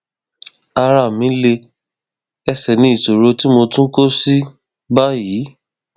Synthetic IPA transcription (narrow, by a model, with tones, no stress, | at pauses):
a˧ɾa˨mĩ˨˦le˧ | ɛ˧sɛ˨nĩ˨˦i˦˨so˨ɾo˧ti˦mo˧tũ˦ko˦si˦ | ba˦ji˨˦